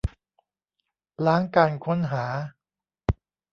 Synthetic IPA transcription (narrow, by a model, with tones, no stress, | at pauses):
laː˦˥ŋkaː˧nkʰo˦˥nɦaː˩˦